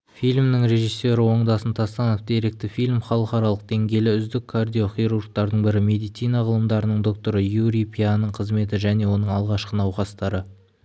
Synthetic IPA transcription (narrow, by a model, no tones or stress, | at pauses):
fijlʲmnɪŋɾe̞ʒisːe̞ɾɪwo̞ɴd̪ɑsənt̪ʰɑst̪ɑnəfd̪e̞ɾe̞k̚t̪ɪfilʲmχɑlˠəqɑɾɑlˠəq̚d̪e̞ŋɡʲe̞jlɪʏzd̪ɪkʰːard̪ijo̞χijɾurk̚t̪ɑɾd̪əɴbɪɾɪme̞d̪ijt̪sijnɑʁəlˠəmd̪ɑɾənəɴd̪o̞k̚t̪o̞ɾəjuɾijpʰʲianəɴqʰəzme̞t̪ɪʒæne̞wo̞nəɴɑlˠʁɑʃqənɑwqɑst̪ɑɾə